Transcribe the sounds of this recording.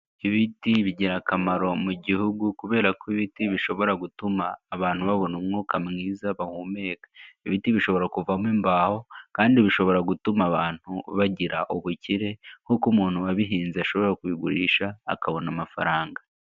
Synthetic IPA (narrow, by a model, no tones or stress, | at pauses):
iβitiβiɟiɾakamaɾo̞muɟihuɡukuβe̞ːɾakoiβitiβiʃo̞βo̞ɾaɡutumaːβaːn̥huβaβo̞numŋokamŋiːzaβahume̞ːkḁiβitiβiʃo̞βo̞ɾakuvamimbaːho̞kaːndiβiʃo̞βo̞ɾaɡutumaβaːn̥huβaɟiɾa̰ʔoβuciɾe̞hukumuːn̥huaβiɦiːnzeaʃo̞βo̞ɾakwiːɡuɾiːʃa̰ːkaβo̞namafa̰ɾaːŋɡa